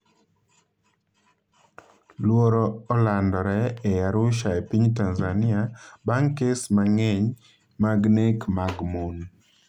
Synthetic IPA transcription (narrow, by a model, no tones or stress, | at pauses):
lwoɾɔːlandɔɾɛːjaɾʊʃaepiɲtanzanɪabaŋkesmaŋeɲ | maɡnekmaɡmon